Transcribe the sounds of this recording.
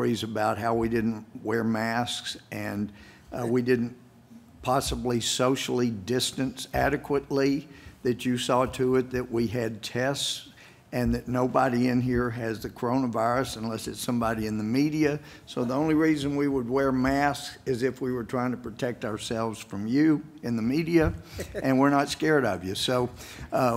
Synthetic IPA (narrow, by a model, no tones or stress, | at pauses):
izɨbaʊt̚ɦaʊwidɪdⁿn̩twɛɹmæsksɨ̃n | widɪdⁿn̩ | pʰɑsəblisoʊʃl̩ˠidɪstɨ̃nsæɾɨkʰwəʔˡliðɨt͡ʃɨsɔtʰɨɪt̪̚ðɨʔwiɨd̚tʰɛsts | ɨ̃nðɨtⁿnoʊbəɾiɪ̃nɦiɹɨzðɨkʰə˞õʊ̃nəvaɪɹɨsə̃nlɛsɨtsʌ̃mbɑɾiɨ̃nðɨmiɾiɨ | soʊðiõʊ̃nliɹizɨ̃nwiwəd̚wɛɹmæskɨzɨfwiwə˞tʰɹ̥aɪɪ̃ŋtʰə̥pʰɹ̥ɨtʰɛk̚taʊə˞sɛlˠvz̥fɹʌ̃mjʉɨ̃nðɨmiɾiɨʔɨ̃nwəɹnətskɛɹɾʌvjɨsoʊ